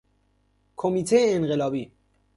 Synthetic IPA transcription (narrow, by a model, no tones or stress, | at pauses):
kʰɔmit̪ʰɛɛːnɣɛlɑbi